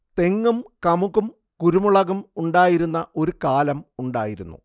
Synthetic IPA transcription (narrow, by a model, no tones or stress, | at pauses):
t̪e̞ŋːumkɐmuɣum | kuɾumuɭɐɣɐmuɳɖaːjiɾunːɐʔo̞ɾukaːlɐmuɳɖaːjiɾunːṵ